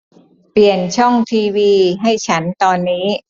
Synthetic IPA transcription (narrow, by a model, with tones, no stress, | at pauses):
pli˨˩ənt͡ɕʰɔ˥˩ŋt̪ʰiː˧wiː˧ɦa˥˩jt͡ɕʰa˦˥nt̪ɔː˧nːiː˦˥